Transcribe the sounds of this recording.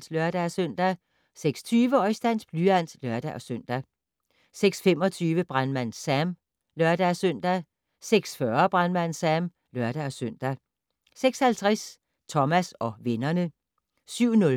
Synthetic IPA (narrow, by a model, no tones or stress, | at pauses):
slœɐd̥æsøn̰d̥æ | seɡ̥sɒ̥t͡sʰyːʋəɒ̽ɪsd̥æn̰sb̥lyæn̰slœɐd̥æʔɒ̽søn̰d̥æ | seɡ̥sfem̰ɒ̽t͡sʰyːʋəb̥ʁanmæn̰sæm | lɶɐd̥æsøn̰d̥æ | seɡ̥sfɶɐb̥ʁanmænsæm | lœɐɾ̥æɒ̽søn̰d̥æ | seɡ̥shælt͡sʰʁɛs | t͡sʰɒ̽mæsɒ̽ʋe̝nɐnə | syʊ̰nɔ̽l